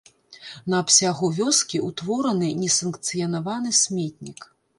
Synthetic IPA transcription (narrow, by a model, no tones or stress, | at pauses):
nɐːpsʲaɣuvʲɔskʲiut̪vɔɾɐnɨnʲɛsɐnkt̪sɨjɐnavanɨsʲmʲɛt̪ʲnʲik